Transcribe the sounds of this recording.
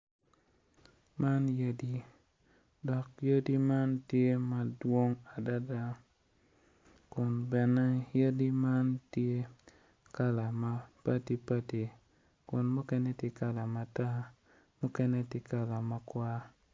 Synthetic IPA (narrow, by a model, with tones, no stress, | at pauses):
ma˦njə˦di˦ | dɔ˨k̚jə˦di˦ma˦ntje˦ma˨dwo˦ŋa˨da˦da˦ | kʊ˨nbɛ˨na˦je˦di˦ma˦ntje˦ | ka˦la˨ma˦pa˦ti˦pa˦ti˨ | kʊ˨nmu˦kɛ˦ne˦ti˨ka˨la˨ma˨ta˦ | mu˦kɛ˦nɛ˦ti˨ka˨la˨ma˨kwa˦